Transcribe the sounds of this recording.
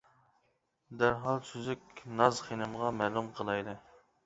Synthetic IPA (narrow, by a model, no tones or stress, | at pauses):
d̪æɾɦɑlˠsyzykʲnɑzχenɨmʁɑmælˠumqʰəlˠɑjd̪ɨ